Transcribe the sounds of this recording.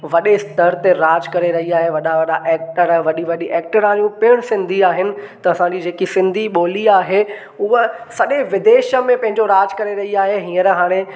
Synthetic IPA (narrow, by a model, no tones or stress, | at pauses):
ʋɐɗest̪əɾt̪eɾaːd͡ʑkɐɾeɾɐɦiaːɦeʋɐɗaʋɐɗaʔɛːk̚ʈəɾʋɐɗiʋɐɗiʔɛːk̚ʈəɾãːjũpɪɪɽ̃sɪ̃nd̪ʱiaːɦɪnɪ̆t̪ɐɐsãɲd͡ʑiːd͡ʑeːkisɪ̃nd̪ʱiɓoːliaːɦe | ʊɦə | sɐɗeʋɪd̪eːʃə̆mẽpɐ̃ɦɪ̃ɲd͡ʑoɾaːd͡ʑkɐɾeɾɐɦiaːɦeɦĩːə̃ɾɦaːɽ̃e